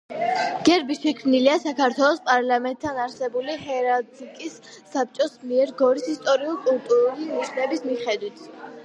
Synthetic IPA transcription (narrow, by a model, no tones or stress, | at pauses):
ɡ̥ɛɾbiʃɛkʰmniliasakʰaɾt̪ʰwɛlˠɔspʼaɾlˠamɛnt̪ʰːanaɾsɛbulihɛɾazikʼisː | ap̚t͡ʃʼɔsmiɛɾɡɔɾisist̪ʼɔɾiulˠkʼulˠt̪ʼuɾuliniʃnɛbismiχɛd̪wit̪ʰ